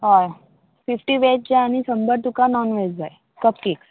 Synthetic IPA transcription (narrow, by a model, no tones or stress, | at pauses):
ɦɔj | fifʈiʋeʈ̚d͡ʑaañisəmbəɾt̪ukanɔnʋed͡zaj | kəp̚kiks